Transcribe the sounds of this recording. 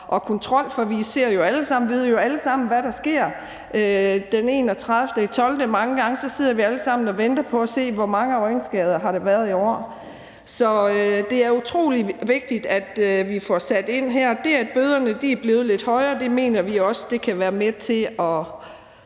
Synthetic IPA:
ʔɒ̽kʰɔ̽nt͡sʰʁɒ̽l̰fɒ̽ʋise̝ɐ̰jo̝æləsɑ̈m̰n̩ʋiðˠɐjoæləsɑ̈m̰n̩ʋæɾɑ̈sɡ̥e̝ɐ̰ | ød̥ene̝̰ːnɒt͡sʰʁɑðˠfd̥əit͡sʰɒ̽ld̥əmɑ̈ŋəɡ̥ɑ̈ŋəsɒ̽se̝ð̞̰ɐʋiæləsɑ̈m̰n̩ɒ̽ʋend̥ɐpʰɒ̽æse̝̰ːʋɒmɑ̈ŋəɒ̽ɪnsɡ̥ɛ̰ːð̞ˠɐɦɑ̈ɾ̥eʋæːɐð̞ˠiɒ̰ | sɒ̽ød̥e̝æɐut͡sʰʁo̝̰ːliʋe̝ɡ̥̚d̥id̥æd̥ʋifɒsæd̥e̝n̰ɦæɐ̰d̥eæd̥̚b̥øːð̞ˠɐnəd̥iæb̥le̝ːð̞̩ˠle̝d̥hɒ̽ɪɐːd̥e̝me̝̰ːnɐʋiɒ̽səd̥e̝kʰæʋæːɐmet͡sʰe̝ɒ̽

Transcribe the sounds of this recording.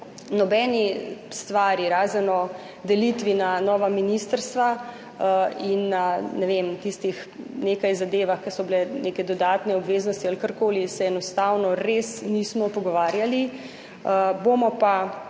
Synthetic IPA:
nɔbɛːnist̪ʋaːɾjiɾaːzɛnɔ | d̪ɛlit̪ʋinanɔːʋaminiːst̪əɾst̪ʋa | inːanɛʋemt̪ist̪ix | nekajzad̪eːʋaxkɐsɔbilɛnekɛd̪ɔd̪aːt̪nɛɔbʋeːznɔst̪ialkəɾkoːlisɛːnɔst̪awnɔɾesniːsmɔpɔɡɔʋaːɾjali | əbomɔpa

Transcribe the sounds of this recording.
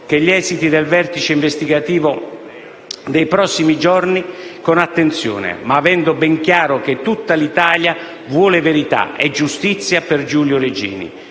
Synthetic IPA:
keʎːɛːzit̪id̪elvɛrt̪it͡ʃeiɱvest̪iɡat̪iːvʊ | d̪ejpɾɔsːimid͡ʒɔrnikonat̪ːent̪sjɔ̰ːnḛmaːvɛnd̪ʊbɛŋkjaːɾʊk̟et̪ːut̪ːalit̪aːlja | vwɔːleveɾit̪a̰ɛ̰d͡ʒːust̪it̪sːjaperd͡ʒuːljʊɾed͡ʒḭːnḭ

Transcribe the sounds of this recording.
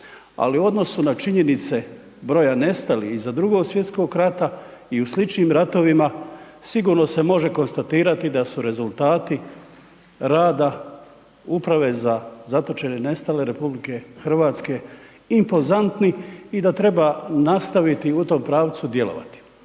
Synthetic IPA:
a̰liuo̞d̪no̞sunat͡ʃiɲe̞nit̪se̞ | bɾo̞jane̞st̪alḭhizad̪ɾuɡo̞ːɡsʋje̞t̪sko̞ɡɾat̪a | iuslit͡ʃniːmɾat̪o̞ʋima | siɡuːɾno̞se̞mo̞ʒe̞ko̞nst̪at̪iːɾat̪id̪asuɾe̞zulˠt̪aːt̪i | ɾaːd̪a | upɾaʋe̞zazat̪o̞t͡ʃe̞nene̞st̪ale̞ɾe̞publike̞xr̩ʋaːt̪ske̞ | impo̞zant̪niid̪at̪ɾe̞banast̪aʋit̪iut̪o̞ːmpɾaːʋt̪sud̪je̞lo̞̰ʋa̰t̪i̥

